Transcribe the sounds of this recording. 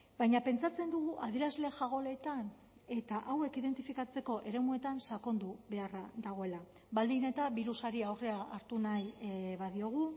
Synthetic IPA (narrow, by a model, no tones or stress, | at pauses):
bajɲape̞nt͡sat͡se̞nd̪uɣuʔaðiɾazle̞ʝaɣ̞o̞le̞t̪an | e̞t̪aʔawe̞kiðe̞nt̪ifikat͡se̞ko̞ʔe̞ɾe̞mue̞t̪ansako̞nd̪uβe̞arad̪aɣ̞o̞e̞la | βbald̪ine̞t̪aβiɾusaɾiawre̞aaɾt̪unajβaðio̞ɣ̞u